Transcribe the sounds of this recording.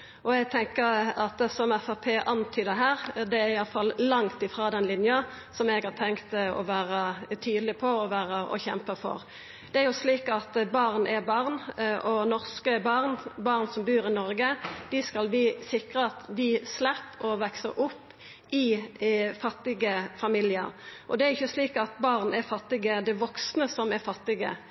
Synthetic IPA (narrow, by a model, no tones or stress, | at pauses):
ʔɔɛɡ̚t̪ʰɛŋkəɾɑt̪sɔmɛfɑpʰeːʔɑnt̪ʰyːd̪ɛɦæːʁd̪ɛæɾɪjɑləfɑlːlɑŋt̪ɪfɾɑːd̪ɛnlɪnjɑ | sɔmɛɡhɑːʁt̪ʰɛŋkt̪ɔ̰ʋæːʁət̪ʰyːd̪əlɪpʰɔɔʋæːʁəɔ̰çɛmpəfɔ̰ʁ | d̪̥ɛæɾjʊsliːkɑt̪bɑʁnʔɛbɑʁnʔɔnɔʁskəbɑʁnbɑʁnsɔmbʉːʁɪnɔɾɡəd̪̥ɪskɑlbɪːsɪkʁəɑt̪d̪ɪslɛpːɔʋɛksəɾʊpː | ɪ | fɑt̪ːɪɡəfɑmiːljɪə̰ɾʔɔd̪ɛæɾɪçːəsliːkɑt̪bɑʁnæɾfɑt̪ːɪɡəd̪ɛʋɔksnəsɔmæɾfɑt̪ːɪɡə̰